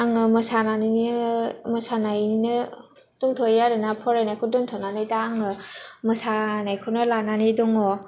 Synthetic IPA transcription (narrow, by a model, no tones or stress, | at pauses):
aŋɯmɯsananiɯmɯsanajinɯ | duŋtʰɔjaɾɯnapʰɔɾajnajkʰɔduŋtʰɔnanajdaːŋɯmɯsanajkʰɯwnɯlananidɔŋɔ